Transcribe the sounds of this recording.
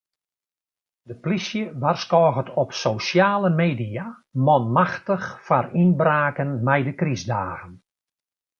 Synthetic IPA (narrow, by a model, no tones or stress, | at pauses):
dəplisjəʋarskɔːɣətɔpsowsjaːləmeːdia | mɔnmaxtəxfarinbraːkənmɛjdəkrizdaːɣən